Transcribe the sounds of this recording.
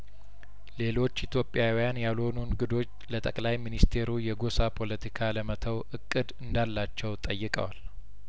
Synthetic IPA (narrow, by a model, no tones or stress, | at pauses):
le̞lo̞t͡ʃːit̪ʰjo̞pʼːjawijanjalo̞nunɡɨd̪o̞t͡ʃːlət̪ʼəkʼlajminist̪ʰe̞ɾujɛɡo̞sapʰo̞lət̪ʰikʰaləmət̪ʰəwʔɨkʼːɨd̪ɨnd̪alːat͡ʃːɛwt̪ʼəjːɨkʼə̰wal